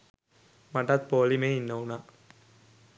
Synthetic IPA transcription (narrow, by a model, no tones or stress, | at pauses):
mɐʈːɐt̪̚poːlimeːinːɐʋuna